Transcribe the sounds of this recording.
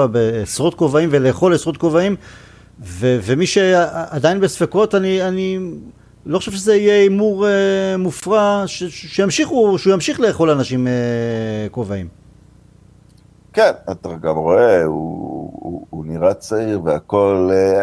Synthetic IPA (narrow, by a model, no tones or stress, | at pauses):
abeːsʁo̞t̪̚ko̞vaimveleːχo̞lesʁot̪̚ko̞vaim | vevemiʃeadainbesfeko̞taniani | loχo̥ʃevʃezeije̞imuʁemufʁaʃeʃejamʃiχuʃeujamʃiχle̞ːχo̞lanaʃimeko̞vaim | kena̰t̪aɡamʁo̞eṵ | uniʁat͡saiʁveako̞l